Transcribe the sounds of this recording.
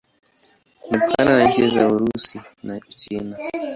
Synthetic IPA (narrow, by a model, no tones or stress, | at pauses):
mipkananand͡ʒiazauɾusinaut͡ʃina